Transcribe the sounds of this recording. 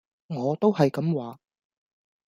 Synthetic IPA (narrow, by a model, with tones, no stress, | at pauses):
ŋɔː˨˧t̪o˥whɐ˨jkɐ˨˥mwaː˨˧